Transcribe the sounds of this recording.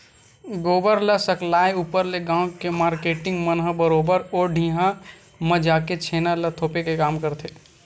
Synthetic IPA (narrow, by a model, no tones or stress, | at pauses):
ɡoːbəɾləsəklaːeuːpəɾleɡãːw̃kemaːɾkeʈɪ̃ŋɡmənɦəbəɾoːbəɾoːɖʱĩːɦã | məd͡ʒaːket͡ʃʰeːnalət̪ʰoːpekekaːmkəɾt̪ʰe